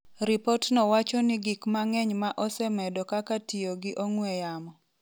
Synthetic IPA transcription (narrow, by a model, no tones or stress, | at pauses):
ɾipɔtnɔwat͡ʃɔnɪɡikmaŋɛɲmaʔɔsɛmɛdɔkakatioɡɪʔoŋwɛjamɔ